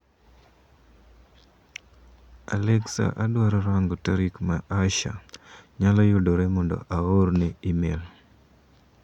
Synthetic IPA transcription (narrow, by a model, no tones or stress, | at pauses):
a̰lɛksa̰ʔadwaɾɔɾwaŋɡotaɾikmaʔaʃa̰ɲalɔjodoɾɛmɔndɔ̰ʔaɣoɾneimel